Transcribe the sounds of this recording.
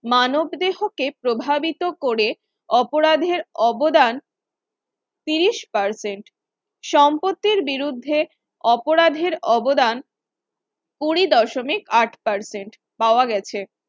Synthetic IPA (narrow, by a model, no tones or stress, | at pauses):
manobd̪eɦokepɾobʱabit̪okoɾe | ɔpoɾad̪ʱeɾɔbod̪an | t̪iɾiʃpaɾseɳʈ | ʃɔmpot̪ːiɾbiɾud̪ʱːe | ɔpoɾad̪ʱeɾɔbod̪an | kuɾid̪ɔʃomikaʈʰpaɾseɳʈ | paoaɡɛt͡ɕʰe